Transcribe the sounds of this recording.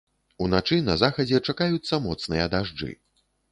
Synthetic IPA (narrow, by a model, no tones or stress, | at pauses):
unat͡ʂɨnɐzaxɐd͡zʲɛt͡ʂakajut̪sːɐmɔt̪snɨjɐd̪aʐd͡ʐɨ̰